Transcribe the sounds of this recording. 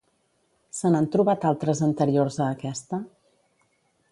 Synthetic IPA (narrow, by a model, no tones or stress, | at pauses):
sənant̪ɾuβat̪alˠt̪ɾəzənt̪əɾiorzəːkɛst̪ə